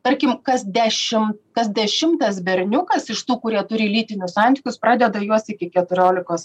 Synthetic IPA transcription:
t̪ɐɾʲkʲɪmkɐsd̪ʲæːʃʲɪmt̪kɐsd̪ʲɛʃʲɪmt̪ɐsbʲɛɾʲnʲʊkɐsɪʃt̪uːkʊɾʲiɛt̪ʊɾʲɪlʲiːt̪ʲɪnʲʊssɑnʲt̪ʲɪːkʲʊspɾʔɑːd̪ʲɛd̪ɐjuɔsɪkʲɪkʲɛt̪ʊɾʲoːlʲɪkoːs

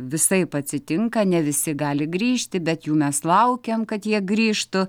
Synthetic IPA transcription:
ʋʲɪsɐɪpɐt̪ʲsʲɪt̪ʲɪŋkɐnʲɛʋʲɪsʲɪɡɑːlʲɪɡɾʲiːʃʲt̪ʲɪbʲɛt̪juːmʲɛslˠɐʊkʲɛmkɐt̪jiɛɡɾʲiːʃt̪ʊ

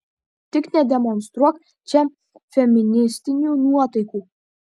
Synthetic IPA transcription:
t̪ʲɪknʲɛd̪ʲɛmonst̪ɾuɔk | t͡ʃɛ | fʲɛmʲːɪnʲɪsʲt̪ʲɪnʲunuɔt̪əjku

